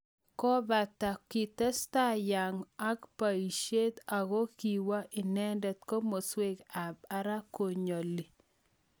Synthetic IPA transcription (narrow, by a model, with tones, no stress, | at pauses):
kɔ˦ba˨ta˨ki˨t̪ɛ˦sta˦ja˨ŋa˦kpa˨i˨ʃe˦t̪a˨ɣo˦ki˨wa˦ʔɪ˨nɛ˦ndɛ˨t̪ko˦mo˨swe˦ka˨ba˨ɾa˦ko˨ɲo˨li˨